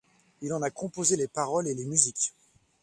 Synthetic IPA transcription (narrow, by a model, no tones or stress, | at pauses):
ilɑ̃nakɔ̃pozelepaʁɔlelemyzikʲ